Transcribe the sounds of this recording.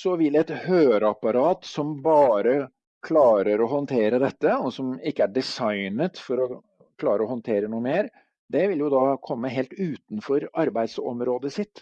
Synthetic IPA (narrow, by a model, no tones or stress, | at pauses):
sɔʋɪlɛt̪høːɾɑpɑɾɑːt̪sɔmbɑːɾə | kʰlɑːɾəɾɔɦɔnt̪ʰeːɾəd̪ɛt̪ːəɔsɔmɪkːəæɖɪsɑɪnət̪fɔɾɔ | kʰlɑːɾəɔhɔnt̪ʰeːɾənuːəmeːɾ | d̪ɛʋɪljʊd̪ɑkʰɔmːəɦeːlt̪ʉːt̪n̩fɔɾɑɾbæɪd̪sɔ̰mɾoːd̪əsɪt̪ː